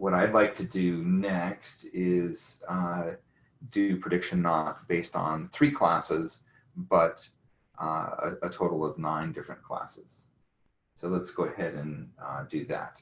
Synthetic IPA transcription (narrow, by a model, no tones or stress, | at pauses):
wʌɾaɪdˡlaɪk̚tʰɨdɨnɛkstɪz̥ | dɨpʰɹ̥ɨdɪkʃɨ̃nːət̚b̥eɪstn̩θɹikʰl̥æ̰sɪz̥ | b̥ʌɾ | ə̰ɨtʰoʊɾl̩ˠʌvnãɪ̃ndɪfɹɨ̰̃nkʰl̥æ̰sɨz̥ | soʊlətsɡ̥oʊɨhɛɾɨ̃ndɨðæ̰t̚